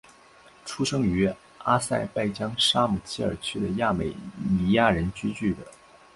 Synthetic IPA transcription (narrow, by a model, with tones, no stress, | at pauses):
ʈ͡ʂʰu˥ʂɤ˥ŋy˧˥ | a˥sa˥˧ɪpa˥˩ɪt͡ɕjɑ˥ŋʂa˥mu˨˩t͡ɕʰi˥ə̰˞˨˩t͡ɕʰy˥d̪ə˨ja˥˩me˨˩ɪni˧˥ja˥˩ɻə˧˥nt͡ɕy˥t͡ɕy˥˩d̪ə˩